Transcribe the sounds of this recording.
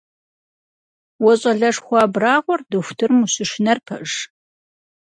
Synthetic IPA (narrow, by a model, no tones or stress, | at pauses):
wɔɕʼɐɮɐʂxʷɑːbraːʁʷɔrdɨxʷʊtʰɨrmuɕɨʂnɐrpʰɐ̰ʒ